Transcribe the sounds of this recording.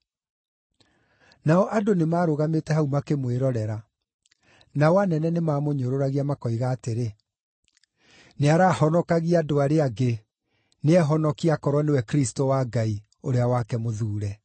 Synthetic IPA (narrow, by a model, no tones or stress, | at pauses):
naɔʔadonemaːɾoɣametɛhaumakemweɾɔɾɛɾa | nawanɛnɛnemaːmoɲoɾoɾaɣiamakɔiɣaːteɾe | neaɾaːhɔnɔkaɣiadoaɾeaɡe | neɛɦɔnɔkiakɔɾwɔnewɛkɾistowaɡai | oɾeawakɛmoðuːɾɛ